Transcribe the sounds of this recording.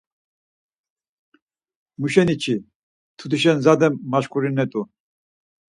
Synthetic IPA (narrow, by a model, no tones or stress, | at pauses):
muʃɛnit͡ʃʰi | t̪ʰud̪ʰiʃɛnzad̪ɛmːaʃkʰʼuɾinɛt̪ʼu